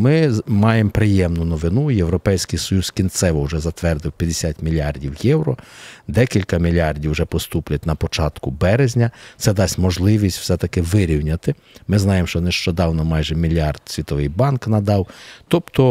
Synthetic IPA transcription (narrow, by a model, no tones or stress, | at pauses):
mɪmɑjempɾɪjɛmnʊnɔʋɪnujewɾɔpɛjsʲkɪjsɔjuskʲint̪sɛʋɔwʊʒɛzɐt̪ʋɛrd̪ɪwpʲjɐd̪esʲat̪ʲmʲilʲɑrdʲiwjɛwɾɔd̪ɛkʲilʲkɐmʲilʲɑrdʲiwʒɛpɔst̪uplʲɐtʲnɐpɔt͡ʃɑt̪kʊbɛɾezʲnʲɐt̪sɛd̪ɑsʲtʲmɔʒlˠɪʋʲisʲtʲw̥sɛt̪ɐkɪʋɪɾʲiwnʲɐt̪ɪ | mɪznɑjemʃt͡ʃɔneʃt͡ʃɔd̪ɑwnɔmɑjʒɛmʲilʲɑrd̪̥sʲʋʲit̪ɔʋɪjbɑnknɐd̪ɑwt̪ɔpt̪ɔ